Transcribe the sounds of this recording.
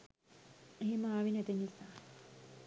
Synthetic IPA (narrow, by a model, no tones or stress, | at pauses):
eemaːʋinɛt̪eɲisa